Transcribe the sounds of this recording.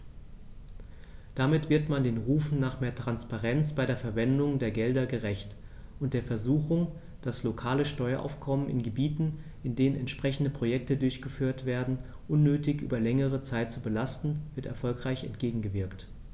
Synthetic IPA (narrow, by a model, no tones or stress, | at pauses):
d̥amɪtv̥ɪɐtmandeːnʁuːfn̩nːaːχmeːɐtʁ̥anspaʁɛnt͡sb̥aɪɾeːɐfɛɐvɛndʊŋdeːɐɡɛldɐɡəʁɛçt | ʔʊntd̥eːɐfɛɐzuːxʊŋ | d̥aslokʰaːləʃtɔʏɐʔa̰ʊfkʰɔmənɪ̰nɡəbiːtn̩ | ɪndeːnənɛntʃpʁ̥ɛçn̩dəpʁ̥ojɛk̚tədʊɐçɡ̥əfyːɐtv̥eːɐdn̩ | ʔʊnːøːtɪçʔy̰ːbɐlɛŋəʁ̞ət͡saɪt̚t͡subəlastn̩vɪɐtɛɐfɔlkʁ̥aɪçɛ̰ntɡ̥eːɡŋ̩ɡəvɪɐkt